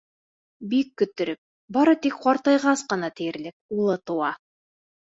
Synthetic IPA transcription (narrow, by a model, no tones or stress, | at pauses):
bikːɵ̆t̪ɘ̆ɾɘp̚ | bɑɾɤt̪ikχɑɾt̪ɑjʁɑsqɤ̆nɑt̪ɘ̆jɘ̆ɾlɘk̚ulˠɤt̪ŭɑ